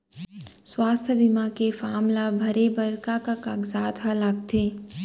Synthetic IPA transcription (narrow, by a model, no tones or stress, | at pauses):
swaːst̪ʰəbɪmakefaːmlabʱɐɾebɐɾkakakaːɡzaːt̪ɦalaɡt̪ʰeː